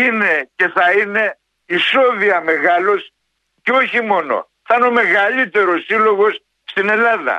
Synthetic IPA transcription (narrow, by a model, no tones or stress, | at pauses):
ine̞ce̞θɐine̞ | iso̞ðiɐme̞ɣɐlo̞s | ceo̞çimo̞no̞̰ | θɐno̞me̞ɣɐʎit̪e̞ɾo̞sːilo̞ɣo̞s | st̪ine̞lɐðɐ̰